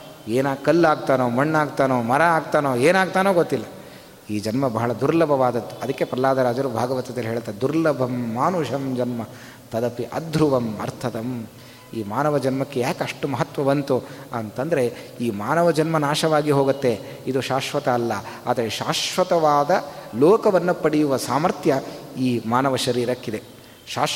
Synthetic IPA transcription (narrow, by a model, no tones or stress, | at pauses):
eːnaːɡkɐlːaːɡ̚t̪aːnoːmɐɳːaːɡt̪aːnoːmɐɾɐaːɡt̪aːnoːeːnaːɡ̚t̪aːnoːɡot̪ːilːɐ | iːd͡ʒɐnmɐbɐɦɐɭɐd̪uɾlɐbʱɐʋaːd̪ɐt̪ːuɐd̪ɐkːe̞pɾɐlaːd̪ʱɐɾaːd͡ʒɐɾubʱaːɡɐʋɐt̪ɐd̪ɐliɦeːɭt̪aːd̪uɾlɐbʱɐmːaːnuʃɐmd͡ʒɐnmɐ | t̪ɐd̪ɐpiʔɐd̪ʱɾuʋɐmɐ̰ɾt̪ʰɐt̪ɐm | iːmaːnɐʋɐd͡ʒɐnmɐkːejaːkɐʂʈumɐɦɐt̪ʋɐʋɐnt̪uɐnt̪ɐnd̪ɐɾe̞iːmaːnɐʋɐd͡ʒɐnmɐnaːʃɐʋaːɡiɦoːɡut̪ːe̞ | id̪uʃaːʃʋɐt̪ɐːlːɐa̰ːd̪ɐɾeʃaːʃʋɐt̪ɐʋaːd̪ɐloːkɐʋɐnːupɐɽijuʋɐsaːmɐɾt̪jɐiːmaːnɐʋɐʃɐɾiːɾɐkːid̪e̞ | ʃaː